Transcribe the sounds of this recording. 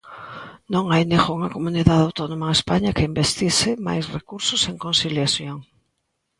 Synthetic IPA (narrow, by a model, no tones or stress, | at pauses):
nõŋajneɣouŋɐkomuniðaðawt̪onõmaespaɲɐkɪimbest̪isɪma̰jsrekuɾsʊseŋkonsiljaθjoŋ